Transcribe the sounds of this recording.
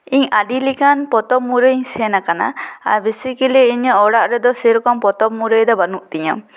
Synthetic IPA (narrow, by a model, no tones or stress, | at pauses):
iɲaɖilikanpɔt̪ɔmuɾeɲsɛnakana̰a̰ɾbesikiliiɲəɔɽaʔɾɛd̪ɔseɾɔkɔmpɔt̪ɔp̚muɾejd̪ɔbanuʔt̪iɲɔm